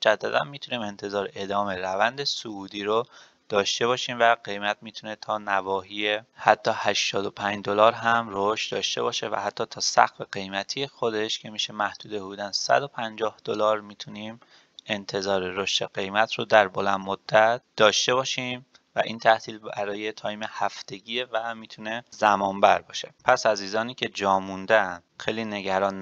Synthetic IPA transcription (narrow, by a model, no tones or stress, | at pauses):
mod͡ʒæd̪ːæd̪æ̰nmiːt̪ʰuniːme̞nt̪ʰe̞zɒːɾeʔed̪ɒːmeɾævænd̪esouːd̪iːɾo | d̪̥ɒːʃt̪e̞βɒːʃiːmvæɢe̞jmæt̪miːt̪ʰune̞t̪ʰɒːnævɒːɦiːjehæt̪ʰːɒːhæʃt̪ɒːd̪opʰænd͡ʒd̪o̞lɒːɾɦæmroʃt̪d̪ɒ̰ːʃt̪e̞̰βɒːʃevæ̰hæt̪ʰːɒːt̪ʰɒːsæ̰xfe̞ɢe̞jmæt̪ʰijexod̪e̞ʃcʰe̞miːʃe̞mæhd̪̥uːd̪e̞buduːd̪ænsæ̰d̪o̞pʰænd͡ʒɒːhd̪̥olɒːɾmiːt̪ʰuniːm | e̞nt̪ʰe̞zɒːɾeɾoʃt̪ʰe̞ɢe̞jmæt̪ʰɾod̪æɾbolænd̪mod̪̥ːæt̪̚ʰd̪̥ɒːʃt̪e̞βɒːʃim | væ̰ʔiːnt̪ʰæht̪ʰiːlbæɾɒːje̞t̪ʰɒːjmehæft̪e̞ɟiːevæmiːt̪ʰune̞zæmɒːmbæɾbɒ̰ːʃepʰæsæziːzɒːniːcʰe̞d͡ʒɒːmund̪ænd̪̥xejliːne̞ɟæɾɒːn